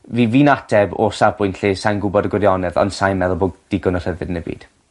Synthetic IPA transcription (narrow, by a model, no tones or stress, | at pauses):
viːviːnatʰɛbɔsavb̥ʰʊjntɬeːsajnɡʊbɔdəɡwɪɾjɔnɛðɔ̰nsajmɛðɔboːd̚d̥ɪɡɔnɔr̥əvɨdənəbḭːd̥